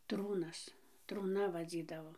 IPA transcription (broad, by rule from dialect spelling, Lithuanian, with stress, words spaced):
ˈtruːnɐs truːˈnɐ ʋɐˈd͡zʲiːdɐʋoː